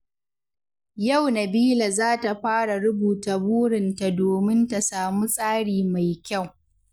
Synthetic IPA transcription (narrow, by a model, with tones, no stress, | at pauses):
ja˦˨wnɐ˨biː˦la˨zaː˦ta˨ɸaː˦ɽa˨ɽʊ˦buː˨ta˨buː˦ɽɪ˨nta˨doː˨mɪ˦nta˨saː˨mu˦sʼaː˦ɽiː˨ma˨jkʲa˦˨w